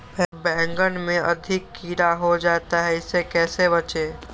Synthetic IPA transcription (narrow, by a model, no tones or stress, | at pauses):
pɛbɛ̃ːŋɡənmẽɐ̰d̪ʱɪkːiːɾaɦod͡ʒaːt̪aɦɛɪsekɛːseβət͡ʃeː